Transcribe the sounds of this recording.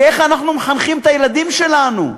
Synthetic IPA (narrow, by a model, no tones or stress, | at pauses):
e̞χanaχnumeχanχimt̪ajelad̪imʃe̞lanṵ